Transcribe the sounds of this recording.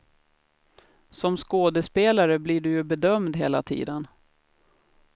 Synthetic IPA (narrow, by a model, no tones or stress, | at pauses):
sɔmskoːd̪əspeːlaɾəbliɖɵjɵbɛd̪œmd̪ɦeːla̰t̪ʰḭːd̪ən